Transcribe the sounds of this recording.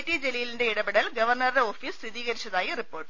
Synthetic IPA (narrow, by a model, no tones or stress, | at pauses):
ʈːid͡ʒɛlijɪlɪndeɪɽɐbɪɽɐlɡɐʋɐɾnɐɾðɐoːfiːssiðiːɣɐɾɪt͡ʃːɐðaːjɐrɪpːoːʈː